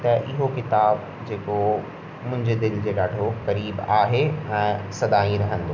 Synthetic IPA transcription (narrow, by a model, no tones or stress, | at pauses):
t̪ɐʔɪɦokɪt̪aːb | d͡ʑeːko | mʊ̃ɦɪ̃ɲd͡ʑed̪ɪld͡ʑeːɗaːɖʱokɐɾiːbaːɦeɛ̃ːsɐd̪aːĩɾɐɦə̃n̆d̪oː